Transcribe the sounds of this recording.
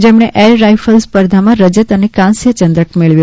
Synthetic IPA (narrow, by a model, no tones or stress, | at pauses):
d͡ʒemɳeʔelɾajfəlspəɾd̪ʱamãɾəd͡ʒət̪ənekãnsjət͡ʃənd̪ɾəʈ̚meɭʋju